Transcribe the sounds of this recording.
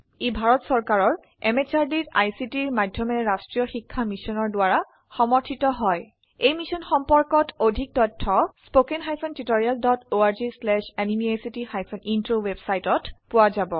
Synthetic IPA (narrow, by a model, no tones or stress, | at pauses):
ebʱaɹɔtsɔɹkaɹɔɹ | ɛmet͡ʃaɹdita̰jsitiɹmadʱjɔmɛɹastɹijɔxikʰːamisɔnɔɹdʊaɹa | xɔmɔɹtʰitɔɦɔj | ejmisɔnxɔmpɔɹkɔtʰodʱik̚tɔtʰːɔspokenxajpʰɔntitoɹialdɔtoaɹzislɛʃɛnimiajsitixajpʰɔnintɹowebsajtɔtpʊwazabɔ